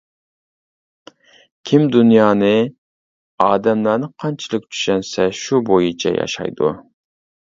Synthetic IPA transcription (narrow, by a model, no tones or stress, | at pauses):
kʲʰimd̪unjɑːnɨ | ɑːd̪ɛmlˠɑɾnɨqʰɑnt͡ʃʰilˠək̚ʲt͡ʃʰy̥ʃɛnsɛʃubojit͡ʃʰɛ̰jɑ̰ʃɑ̰jd̪ṵ